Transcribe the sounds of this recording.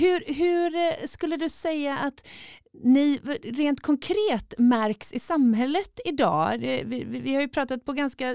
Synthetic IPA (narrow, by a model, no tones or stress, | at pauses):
hɵɾɦɵɾskɵlːəd̪ɵsɛjːaʔat̪nɪɾeːnt̪kʰɔŋkʰɾeːt̪mæɾksɪsamɦɛlːət̪ɪd̪ɑ̰ːd̪ɛvɪɪvɪhaɾjɵpʰɾɑːt̪at̪̚pʰɔɡanska